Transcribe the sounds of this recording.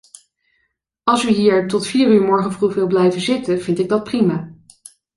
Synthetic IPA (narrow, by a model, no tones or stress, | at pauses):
ɑlˠsyɦiːɹtɔtfiːɹyːɹmɔɹχənvruχʋɪlˠblɛjvənzɪtəv̥ɪntɪɡ̚dɑt̚primaː